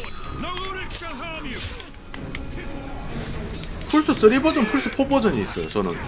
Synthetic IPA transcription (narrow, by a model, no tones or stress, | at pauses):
pʰuɭs͈us͈ʌɾibʌd͡ʑʌnpʰuɭs͈ʰɯpʰobʌd͡ʑʌɲiːs͈ʌjo̰t͡ɕʌnɯ̰n